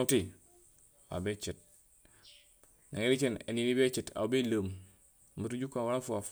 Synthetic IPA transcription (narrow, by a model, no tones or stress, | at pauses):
ti | a̰bet͡ʃit̚ | naŋiɾit͡ʃinḛninibet͡ʃita̰wbeləm | mətud͡ʒukawaɾafuaf